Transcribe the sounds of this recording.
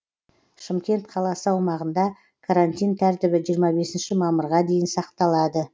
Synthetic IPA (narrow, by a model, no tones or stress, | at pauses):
ʃɪmkʲe̞nt̪qʰɑlˠɑsəɑwmɑʁənd̪ɑ | kʰaɾanʲt̪ʲijnt̪ʰæɾt̪ɪbɪʒijəɾmɑbe̞sɪnʃɪmɑməɾʁɑd̪e̞jɪnsɑqt̪ɑlˠɑd̪ə